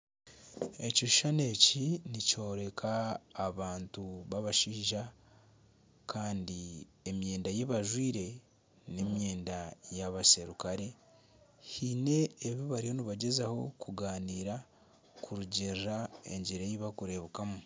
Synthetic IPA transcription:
e̞coi̥ʃane̞ːcinico̞ːɾe̞kʰaːβaːntuβaβaʃiːʒa | kaːndiemje̞ːndajeβaʒwiːɾe̞ | nemje̞ːndajaβase̞ɾukaɾe̞ | hine̞ːβjiβaɾijo̞niβaɟezaho̞̰kuɡaːniːɾa | kʰuɾuɟirɾae̞̰ɲɟiɾejiβakuɾe̞βukamu

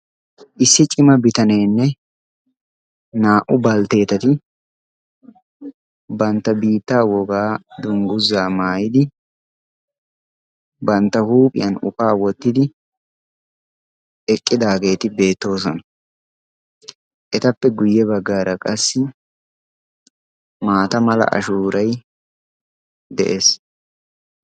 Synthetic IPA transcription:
ʔɪsːɪt͡ʃʼɪmɐbɪt̪ɐne̞ːnːɛ | naːʔʊbɐlt̪e̞ːt̪ɐt̪ɪ | bɐnt̪ːɐbiːt̪ːaːwɔɡaːd̪ʊŋɡʊzːaːmaːjɪd̪ɪ | bɐnt̪ːɐhuːpʼɪ̰jɐnʊ̰kaːwɔt̪ːɪd̪ɪ | ɛkʼːɪd̪aːɡe̞ːt̪ɪbe̞ːt̪ːo̞ːs̬ɔnɐ | ʔɛt̪ɐpːɛɡʊjːɛβɐɡːaːɾɐkʼɐsːɪ | maːt̪ɐmɐlɐ̰ʔɐ̰ʃuːɾɐj | d̪ɛ̰ʔeːs

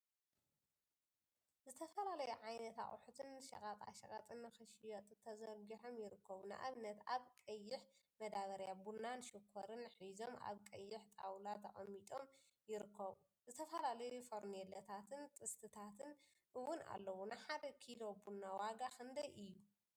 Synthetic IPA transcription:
zɨt̪ʰɐfɐlalɐjuʕajnɐt̪a̰χʼħut̪ʰɨnʃɐ̰kʼat̪ʼa̰ʃɐkʼɐt̪ʼɨnːɨxɨʃjot̪ʼɨt̪ʰɐzɐɾɡiħomjɪɾɨkʰːɐβunɨ̰ʔa̰βnɐt̪aβkʼɐjːɪħ | mɐd̪aβɐɾjabunːanʃɨkʰːoɾɨnħizo̞mʔa̰βkʼɐjːɪħt̪ʼa̰wlat̪ʰɐʔʼɐmːit̪ʼo̞m | jɪɾɨkʰːɐβu | zɨt̪ʰɐfɐlalɐjufoɾnelɐt̪ʰat̪ʰɨnt̪ʼɨst̪ʰɨt̪ʰat̪ʰɨn | ʔɨwːʊna̰lːɐwunɨħad̪ɐkʰilo̞bunːawaɡaxʰɨnd̪ɐjʔɨjːu

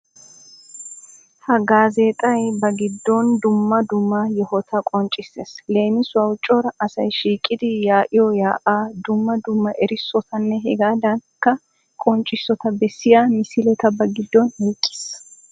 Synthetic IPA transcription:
hɐɡaːzeːt̪ʼɐjbɐɡɪd̪ːɔnd̪ʊmːɐd̪ʊmːɐjɛhɔt̪ʰɐkʼɔnt͡ʃʼɪsːeːsle̞ːmɪswɐwt͡ʃʼːɔɾɐɐsɐjʃiːkʼɪd̪ɪjaːʔɪjɔjaːʔaːd̪ʊmːɐd̪ʊmːɐʔɛɾɪsːɔt̪ʰɐnːɛɦɛɡaːd̪ɐŋkːɐ | kʼɔnt͡ʃʼːɪsːɔt̪ɐbɛsːɪjaːmɪsɪlɛt̪ɐbɐɡɪd̪ːɔneːkʼːɪ̥ːs

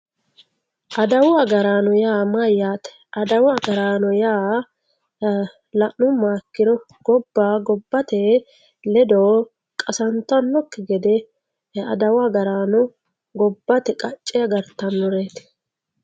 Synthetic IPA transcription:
ʔɐd̪ɐwʊɐɡɐɾaːnɔjaːmɐjːaːt̪ɛ̥ʔɐd̪ɐwɡɐɾaːnɔjaː | lɐʔnʊmaːkːɪɾɔ | ɡ̥ɔbːaːɡɔbːɐt̪ɛ | lɛd̪oː | kʼɐsɐnt̪ɐnːɔkːɛɡɛd̪ɛ | ɐ̰d̪ɐwaɡɐɾaːnɔ | ɡɔbːɐt̪ɛkʼɐt͡ʃʼːɛjɐɡɐɾt̪ɐnːɔɾeːt̪

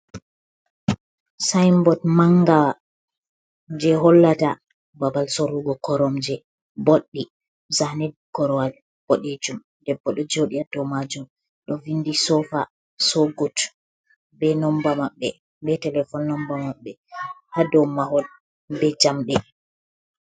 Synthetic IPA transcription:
sajmbɔtmaŋɡawa | d͡ʒɛɦɔlːata | babalsoɾuɡɔkɔɾɔmd͡ʒɛ | boɗːi | zahnɛd̚kɔɾɔal | b̥ɔɗed͡ʒum | dɛbːɔɗɔd͡ʒoɗiadɔmad͡ʒum | ɗɔvindisɔfa̰ | sɔɡɔt | bɛnɔmbamaɓːɛ | bɛtɛlɛfɔnːɔmbamaɓːɛhadɔmahɔl | bɛd͡ʒamɗɛ

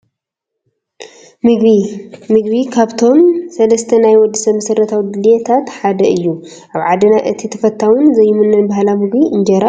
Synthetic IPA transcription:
mɨɡβimɨɡβikʰaβt̪ʰo̞msɐlɐst̪ʰɐnajwɔd̪ːɨsɐmːɐsɐrːɐt̪ʰawid̪ɨljɛt̪ʰat̪ħad̪ɐɨjːu | ʔaβʕad̪ɨnaʔɨt̪ʰit̪ʰɐfɐt̪ʰːawʊnzɐjːɨmɨnːɨnbaɦalamɨɡbiʔɨnd͡ʒɐɾa

